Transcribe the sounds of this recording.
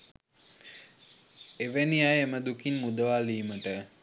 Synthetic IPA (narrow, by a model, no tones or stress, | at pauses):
eʋeniajeməd̪ukinmud̪əʋaːliːməʈə